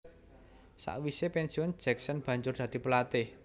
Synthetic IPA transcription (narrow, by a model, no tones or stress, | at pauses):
sa̰ʔwisepɛnsiɔn̥d͡ʒ̥ɛksɔnb̥ä̤ɲd͡ʒʊrd̪̥a̤d̪̥i̤pəlat̪ɪh